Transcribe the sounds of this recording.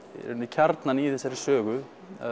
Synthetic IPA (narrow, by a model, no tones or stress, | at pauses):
ɛ̰ɾʏnːɪcʰaɾt̪naniθɛsːaɾɪ̥sœːɣʏ | a